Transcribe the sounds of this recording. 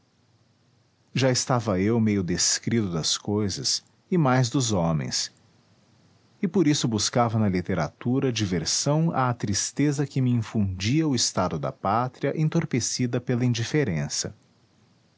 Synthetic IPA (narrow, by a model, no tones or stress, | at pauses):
ʒaɪst̪avɐewmejʊd̪eskɾit̪ʊd̪ɐskojzɐs | ɪmajzd̪ʊzõmḛ̃j̃s | ɪpoɾisʊbuskavɐnɐlit̪eɾa̰t̪uɾɐd͡ʒiveɾsɐ̃w̃aːt̪ɾist̪ezɐkɪmɪĩfũd͡ʒiɐʊɪst̪ad̪ʊd̪ɐ̰pat̪ɾiɐʔẽt̪oɾpesid̪ɐpelɐĩnd͡ʒifeɾẽsɐ̰